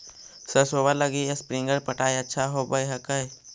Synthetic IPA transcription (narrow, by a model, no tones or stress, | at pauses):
səɾsoːbaləɡiespɾɪ̃ŋɡəɾpəʈaːiɐtːʃʰaɦobəjɦəkəj